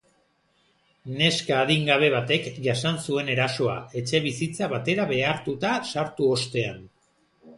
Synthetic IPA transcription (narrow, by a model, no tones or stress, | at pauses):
ne̞skaːðiŋɡaβ̞e̞βat̪e̞kʝasansue̞ne̞ɾaso̞a̰e̞t͡ʃe̞β̞isit͡saβat̪e̞ɾaβe̞aɾt̪ut̪asaɾt̪uo̞st̪e̞an